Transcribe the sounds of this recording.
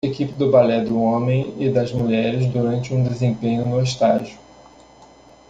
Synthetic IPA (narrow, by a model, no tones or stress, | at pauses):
ekipɪd̪ʊbalɛd̪ʊõmẽj̃ɪd̪ɐzmuʎɛɾɪzd̪uɾɐ̃nt͡ʃɪũd̪ezẽmpẽɲʊnoɪʃt̪aʒjʊ